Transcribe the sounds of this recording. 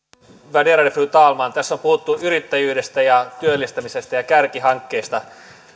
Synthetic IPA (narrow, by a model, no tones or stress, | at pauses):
ʋædeɾɑdefryt̪ɑːlmɑːnt̪æsːompuhut̪ːuʔyɾit̪ːæjyːde̞st̪æjɑt̪yølːist̪æmise̞st̪æjɑkærkiɦɑŋkːe̞ːst̪ɑ